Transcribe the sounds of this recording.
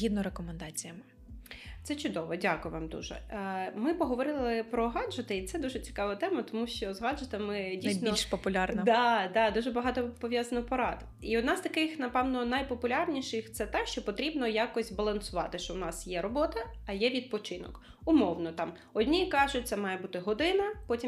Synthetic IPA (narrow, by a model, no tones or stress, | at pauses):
id̪nɔɾekɔmɛnd̪ɑt͡sʲijɐmɪ | t̪sɛt͡ʃʊd̪ɔʋɔdʲakʊjʋɑmd̪ṵʒɛ̰mɪpɔɦɔʋɔɾɪlˠɪpɾɔɦɑd̪ʒɐt̪ɪit̪sɛd̪uʒɛt͡sʲi̥kɑʋɐt̪ɛmɐt̪ɔmuʃt͡ʃɔzɦɑdʒɐt̪ɪmɪdʲijsb̪ʲniɔlʲʃpɔpʊlʲarnɐd̪ɑd̪ɑd̪uʒɛbɐɦɑt̪ɔpɔʋʲjazɐnɔpɔɾɑ̰d̪ | iɔd̪nɑz̥t̪ɐkɪxnɐpɛwnɔnɐjpɔpʊlʲɑrnʲiʃɪxt̪sɛt̪ɛʃt͡ʃɔpɔt̪ɾʲibnɔjakɔsʲbɐlˠɐnsʊʋɑ̰t̪ɪʃt͡ʃɔwnɑsjɛɾɔbɔt̪ɐːjɛʋʲid̪̚pɔt͡ʃɪnɔ̰k | ʊmɔwnɔt̪ɑm | ɔdʲnʲikɑʒʊt̚ʲt̪sɛmɑjɛbut̪ɪɦɔd̪ɪnɐpɔtʲim